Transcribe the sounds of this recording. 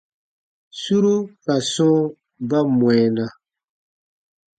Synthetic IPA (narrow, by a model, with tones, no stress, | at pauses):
su˦ɾu˦ka˨sɔ̃ː˦ | ba˦mwɛ̃˨na˨